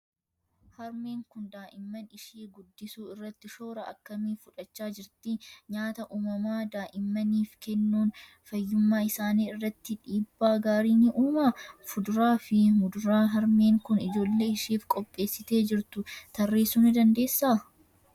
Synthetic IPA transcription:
hɐɾmeːŋkʊnd̪aːʔɪmːɐnɪʃeːɡʊd̪ːɪsuːɪrːɐt̪ːɪʃo̞ːɾɐʔɐ̰kːɐmiːfʊᶑɐt͡ʃːaːd͡ʒɪɾt̪ɪɲaːt̪ɐʔuːmɐmaːd̪aːʔɪmːɐniːfkɛnːuːn | fɐjːʊmːaːɪsaːniːɪrːɐt̪ːɪᶑiːbːaːɡaːɾiːnɪʔuːmafʊd̪ʊɾaːfɪmʊd̪ʊɾaːɦɐɾme̞ːŋkʊnɪd͡ʒo̞ːlːe̞ːɪʃiːfkʼɔpʼːe̞ːsːɪt̪e̞ːd͡ʒɪɾt̪ʊt̪ɐrːe̞ːsuːnɪd̪ɐnd̪e̞ːsːaː

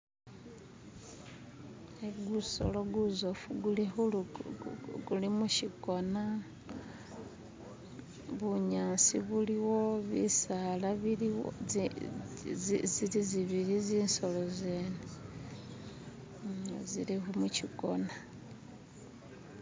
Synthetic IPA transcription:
eɡuso̰lo̞ɡuzofuɡulixul | ɡulimuʃiko̞na | βuɲaːnsḭβuliwo̞βḭsalaβili | ziliziβiɾiziːnso̞lo̞zene | zilixumuciko̞na

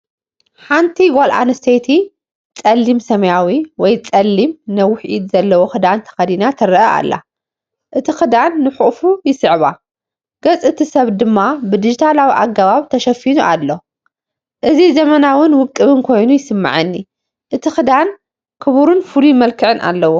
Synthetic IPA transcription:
ħant̪ʰiɡolʔa̰nɨst̪ʰejt̪ʰi | t͡sʼɐlːimsɐmɐjawiwɔjt͡sʼɐlːimnɐwʊħʔid̪zɐlːɐwoxɨd̪ant̪ʰɐ̥xɐd̪inat̪ʰɐɾɐʔɐʔa̰lːa̰ | ʔɨt̪ʰixɨd̪anːɨħuʔʼfujɪsɨʕβa̰ | ɡ̥ɐt͡sʼɨt̪ʰisɐβd̪ɨmːabɨd̪ɨd͡ʒit̪ʰalawiʔaɡaβaβt̪ʰɐʃɐfinuʔalːo | ʔɨzizɐmɐnawʊnwʊkʼːɨβɨnkʰo̞jnujɪsɨmːa̰ʕɨnːi | ʔɨt̪ʰixɨd̪an | kʰɨβuɾunfulumɐlkʰɨʕɨnʔa̰lːɐwo

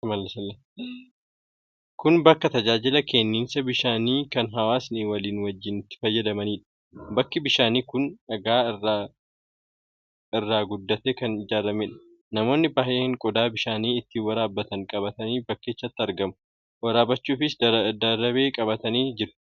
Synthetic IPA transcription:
mɐlːɐsɐlːe | kʊnbɐkːɐt̪ɐd͡ʒaːd͡ʒɪlɐkʰɛnːiːnsɐbɪʃaːniːkɐnɦɐwaːsniːwɐliːnwɐd͡ʒːɪnɪt̪ːɪ̥fɐjːɐd̪ɐmɐniːᶑɐ̥ | bɐkːɪbɪʃaːniːkʊnɐɡaːɪrːa | ɪrːaːɡʊd̪ːɐt̪eːkɐnɪd͡ʒaːɾɐmeːᶑɐ̥ | nɐmo̞ːnːɪbɐheːhɪŋkʼɔd̪aːbɪʃaːniːɪt̪ːiːwɐɾaːbːɐt̪ɐŋkʼɐbɐt̪ɐniːbɐkːeːt͡ʃːɐt̪ːɪɐɾɡɐmʊ̥ | wɐɾaːbɐt͡ʃːuːfɪsd̪ɐɾɐβe̞ːkʼɐβɐt̪ɐniːd͡ʒɪɾʊ̥

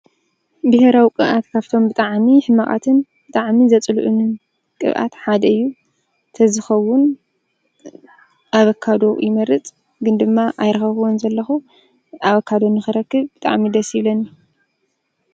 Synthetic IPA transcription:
bɨheɾawikʼɨβʔat̪kʰaβt̪ʰo̞mbɨt̪ʼaʕmiħɨmːɐχʼa̰t̪ʰɨnbɨt̪ʼaʕmizɐt͡sʼlʔunɨn | kʼɨ̰βʔa̰t̪ħad̪ɐɨjːu | t̪ʰɐzɨxɐwːʊn | ʔaβɐkʰːad̪o̞jɪmɐɾɨt͡sʼ | ɡɨnd̪ɨmːaʔajɾɐxɐwonzɐlːɐxu | aβɐkʰːad̪o̞nɨxɨɾɐkːɨβbɨt̪ʼa̰ʕmid̪ɐsjɪβlɐni

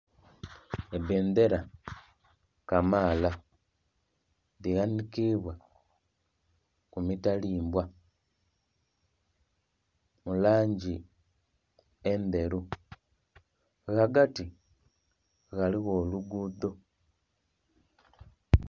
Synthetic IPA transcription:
eβeːnd̪eɾa | kamaːla | diɣanikiβwa | kumitaliːmbwa | mulaːɲɟi | ende̞ɾu | ɣaɡati | ɣaliɣoːluɡuːdo̞

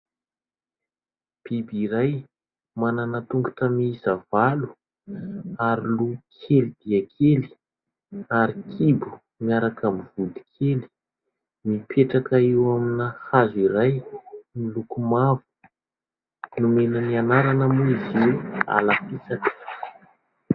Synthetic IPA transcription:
b̥ibiɾaj | mananat̪uŋɡu̥tamiizavalu̥ | aɾilukʰelid̪iəkʰeli̥ | aɾikʰibu̥ | miaɾakamivud̪i̥kʰeli̥ | mipʰeʈ͡ʂakaiwaminahaziɾajmilukumavu̥ | numenənianaɾanəmuiziwa̰lapisakə̥

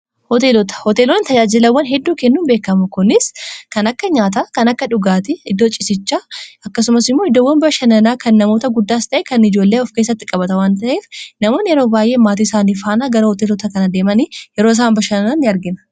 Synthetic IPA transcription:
hɔt̪e̞ːlɔt̪ɐ̥hɔt̪eːlonɪt̪ɐd͡ʒaːd͡ʒɪlɐwːɐnɦɛd̪ːuːkɛnːuːnbe̞ːkːɐmʊkʊnɪskɐnɐkːɐɲaːt̪akɐnɐkːɐᶑʊɡaːt̪ɪɪd̪ːot͡ʃʼɪsɪt͡ʃːaːɐkːɐsʊmɐsɪmːoɪd̪owːɐnbɐʃɐnɐnaːkɐnːɐmo̞ːt̪ɐɡʊd̪ːaːst̪ɐʔɛkɐnɪd͡ʒo̞ːlːeːɔfkeːs̬ːɐt̪ːɪkʼɐbɐt̪ɐwaːnt̪ɐʔe̞ːfnɐmo̞ːnjɛɾo̞ːbaːjʔe̞ːmaːt̪iːɪsaːniːfaːnaːɡɐɾɐhɔt̪eːlɔt̪ɐkɐnɐd̪e̞ːmɐnijɛɾoːs̬aːmbɐʃɐnɐnaːnːɪɐɾɡɪnɐ̥

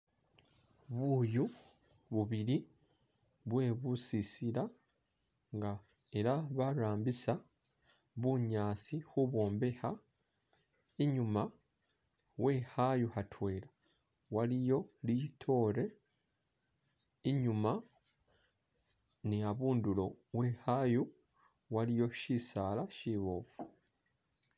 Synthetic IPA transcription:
βuːju | βuβiɾi | βwe̞ːβusisiɾa | ŋɡa | e̞ɾaβaɾaːmbisa | βuɲaːsixuβo̞ːmbe̞ha | eɲuma | we̞hajuhatʰwe̞ːla | walijo̞litʰo̞ɾe̞ | iɲuma | niaβuːndulo̞wehaju | walijo̞ʃisaːlaʃiβoːfu

